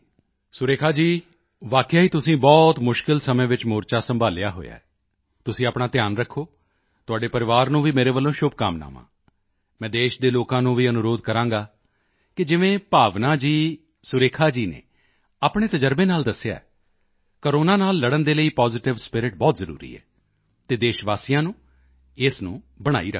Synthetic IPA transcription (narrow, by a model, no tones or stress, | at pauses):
sʊɾeːkʰaːd͡ʒiː | ʋaːkjaːɦiːt̪ʊsĩːbɔːt̪mʊʃkɪlsəmẽːʋɪt͡ʃmoːɾt͡ʃaːsəmbʱaːlɪjaːɦo̰ːja̰ːɛː | t̪ʊsĩːaːpɳãːt̪jaːnɾəkʰːoː | t̪ʊaːɖeːpəɾɪʋaːɾnũːʋiːmeːɾeːʋəlːõːʃʊb̚ka̰ːmna̰ːʋã̰ː | mɛ̃ːd̪eːʃd̪eːloːkãːnũːʋiːənʊɾoːd̪kəɾãːŋɡaː | kɪd͡ʒɪʋẽːpaːʋnaːd͡ʒiː | sʊɾeːkʰaːd͡ʒiːnḛ̃ː | aːpɽẽːt̪əd͡ʒəɾbẽːnaːld̪əsːɪja̰ːɛ | kəɾoːnãːnaːlːəɽənd̪eːləiːpɔːzɪʈɪʋspɪɾɪʈ̚bɔːt̪zəɾṵːɾḭːɛ̰ː | t̪eːd̪eːʃʋaːsijãːnũː | ɪsnũː | bəɽ̃a̰ːiːɾəkʰː